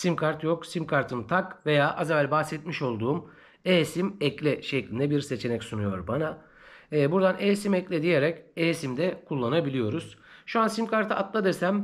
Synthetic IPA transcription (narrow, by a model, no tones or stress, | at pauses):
simkʰaɾt̪joksimkʰaɾt̪ʰɯnt̪ʰakve̞jaːʔazaβælʲbaxsɛt̪miʃo̞lˠd̪uːm | eːsimɛclʲɛʃɛclʲind̪ɛbiɾse̞t͡ʃʰe̞nɛcsunujo̞ɾbana | ɛːbuɾd̪anʔeːsimɛclʲɛd̪ije̞ɾɛceːsimd̪ɛkʰulˠːanabilʲijo̞ɾuz̥ʃuansimkʰaɾt̪ʰɯʔat̪lˠad̪eɾsæm